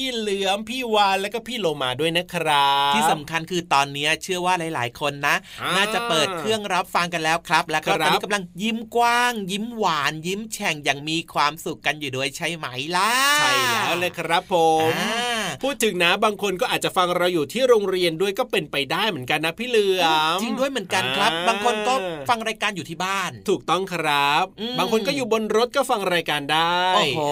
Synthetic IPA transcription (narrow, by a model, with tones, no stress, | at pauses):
pʰiː˥˩lɯ˦˥əmpʰiː˥˩waː˧nlɛː˦˥wkɔː˥˩pʰiː˥˩˨loː˧maː˧du˥˩əjna˦˥kʰɾa˦˥iː˥˩sa˨˩˦mkʰa˧nkʰɯː˧t̪ɔː˧nːi˦˥ɐt͡ɕʰɯ˥˩ɐwaː˥˩laː˨˩˦jla̰ː˩˦jkʰo˧nːa˦˥ʔnaː˥˩t͡ɕa˨˩pɤː˨˩t̪̚kʰɾɯ˥˩əŋɾa˦˥p̚fa˧ŋka˧nlɛː˦˥wkʰɾa˦˥p̚lɛː˦˥wkɔ˥˩˧ɾaː˧˦˥i˦ka˧mla˧ŋji˦˥˩mkwaː˥˩ŋji˦˥˩mwaː˩˦nji˦˥mt͡ɕʰɛ˨˩ŋjaː˨˩ŋmiː˧kʰwaː˧msu˨˩kːa˧njuː˨˩du˧əjt͡ɕʰa˦˥˩jma˩˦jla˦˥t͡ɕʰa˥˩jʰa˦˥lɤː˧jkʰɾa˦˥pʰːo˨˩˦m˦pʰuː˥˩t̪ʰːɯ˨˩˦ŋna˦˥baː˧ŋkʰo˧nkɔː˥˩ʔaː˨˩t̪̚t͡ɕa˨˩fa˧ŋɾa˧wjuː˨˩t̪ʰiː˥˩ɾoː˧ŋɾi˧əndu˥˩əjkɔː˥˩pe˧npa˧jdaː˥˩jmɯ˩˦ənka˧nːa˦˥pʰiː˥˩lɯ˧əət͡ɕi˧ŋdu˥˩əjm˩˦nka˧nkkʰɾa˦˥p̚baː˧ŋkʰo˧nkɔː˥˩fa˧ŋɾaː˧jkaː˧njuː˨˩iː˥˩baː˥˩nt̪ʰuː˨˩k̚t̪ɔ˥˩ŋkʰɾa˦˥p̚ʔɯː˧baː˧ŋkʰo˧nkɔː˥˩juː˨˩bo˧nɾo˦˥t̪̚kɔː˥˩fa˧ŋɾaː˧jkaː˧ndaː˥˩oː˨j